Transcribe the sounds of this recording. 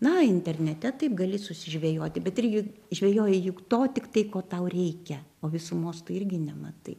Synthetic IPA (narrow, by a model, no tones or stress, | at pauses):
nɐɪnʲt̪ʲɛrʲnʲɛt̪ʲɛt̪ɐɪpɡɐlʲɪsʊsʲɪʒʲʋʲeːjoːt̪ʲɪbʲɛt̪ɪɾʲɡʲɪʒʲʋʲeːjoːjɛjʊkt̪oːt̪ʲɪkt̪ɐɪkoːt̪ɐʊrʲɛɪkʲɛoːʋʲɪsuːmoːst̪ʊɪrʲɡʲɪnʲɛmɐt̪ɐɪ